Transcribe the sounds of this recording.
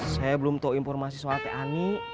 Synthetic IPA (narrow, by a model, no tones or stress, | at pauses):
sajabəlʊmt̪aoinfɔrmasisalt̪ɛʔani